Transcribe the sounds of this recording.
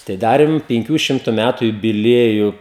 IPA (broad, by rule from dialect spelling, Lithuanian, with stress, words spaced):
tɐɪ ˈdɑːrʲɪm pʲɪŋʲˈkʲuː ˈʃʲɪmtʊ ˈmʲætʊ jʊbʲɪˈlʲiɛjʊ